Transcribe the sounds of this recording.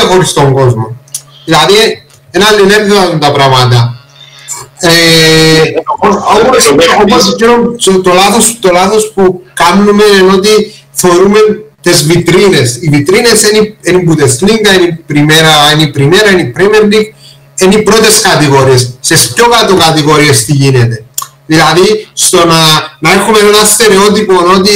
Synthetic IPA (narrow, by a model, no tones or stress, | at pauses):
ɐxoɾist̪oŋɡo̞zmo | ðilɐði | enɐlːineɾðoat̪unt̪ɐpɾamɐt̪ɐ | e | omosoosiɾomot̪olaθo̞st̪o̞laθo̞spukamnume̞neno̞t̪̬i | θeoɾume̞nt̪e̞zvit̪ɾine̞sivit̪ɾine̞senienimbut̪esliŋɡɐenipɾimeɾɐenipɾime̞ɾɐenipɾemieɾliɡ | enipɾo̞t̪e̞skɐt̪iɣo̞ɾiesːe̞spco̞kat̪okɐt̪iɣo̞ɾie̞st̪iʝinet̪e̞ | ðilɐðist̪o̞nɐnɐexume̞ne̞nɐst̪e̞ɾe̞o̞t̪̬ipoeno̞t̪i